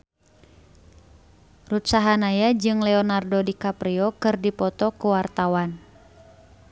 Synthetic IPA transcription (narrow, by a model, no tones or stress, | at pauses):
rut̪saɦanajad͡ʒɨŋlɛɔnardodikapɾiɔkɨrdipɔt̪ɔkuwart̪awan